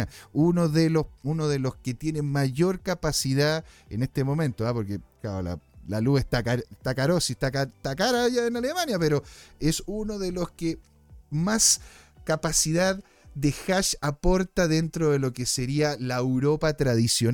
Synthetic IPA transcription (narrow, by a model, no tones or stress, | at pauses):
aunoðelounoðelo̞sket̪je̞ne̞nmaʝo̞ɾkapasiðaḛnest̪emo̞mẽ̞nt̪oapo̞ɾkeklao̰la̰laluest̪akaɾet̪akaɾosist̪akat̪akaɾaʝaenalemanjapeɾoesunoðeloske | maskapasiðað | d̪exaʃapo̞ɾt̪aðe̞nt̪ɾoðelo̞keseɾialaewɾo̞pat̪ɾaðisjo